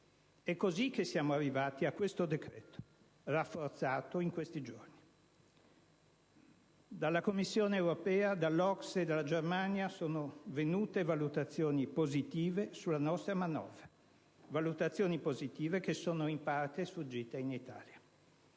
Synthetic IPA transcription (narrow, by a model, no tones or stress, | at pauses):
ɛkːozik̟ːesːjaːmoarːivaːt̪iakwest̪od̪ekɾɛːt̪o̥ | rafːort̪saːt̪oiŋkwest̪id͡ʒorni | d̪alːakomːisːjoːneːwɾopɛːad̪alːɔksed̪alːad͡ʒermanjasoːnovenuːt̪evalut̪at̪sːjoːnipozit̪iːvesulːanɔst̪ɾamanɔ̰ːvɾa | valut̪at̪sːjoːnipozit̪iːvek̟esːoːnoimpart̪esfud͡ʒːiːt̪einit̪a̰ːlja